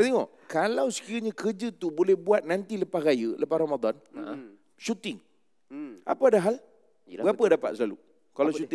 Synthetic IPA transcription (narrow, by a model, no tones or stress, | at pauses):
bet̪eŋɔ | kalawsə̥kiɾaɲãkərd͡ʒət̪ubolɛhbuat̪̚nant̪iləpahrajələpahramad̪ɔn | ʃut̪ɪŋ | a̰paadaɦal | əɡapədapa̰t̪̚səlalṵ | kalawʃut̪